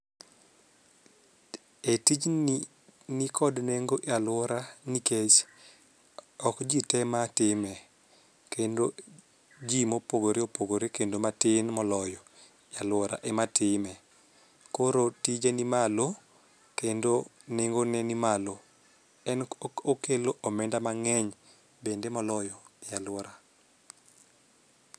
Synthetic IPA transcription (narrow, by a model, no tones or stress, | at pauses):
etid͡ʒ | nɪkʰɔdneŋɡoʔjalwɔɾaniket͡ʃ | ɔkd͡ʒitɛmatɪmɛ | kendo | d͡ʒimopoɡoɾeopoɡoɾekendomatɪnmɔlɔjɔ | jalwɔɾa̰ʔɛmatɪmɛ | koɾotid͡ʒanimalo | kendo | nɪŋɡonɛnimalo | ɛnokeloʔomɛndamaŋɛɲ | bendemɔlɔjɔjalwɔɾa